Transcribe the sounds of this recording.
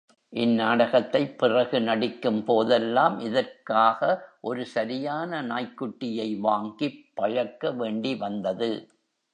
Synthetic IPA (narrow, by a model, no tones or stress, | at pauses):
ʔɪnːaːɽɐɣɐt̪ːɐɪpːɪrɐɣɯnɐɽɪkːɯmpoːðɛlːaːmʔɪðɐrkaːɣɐʔɔɾɯsɐɾɪjaːnɐnaːjkːʊʈːɪjɐɪʋaːŋɡipːɐɻɐkːɐʋeːɳɖiʋɐnd̪ɐðɯ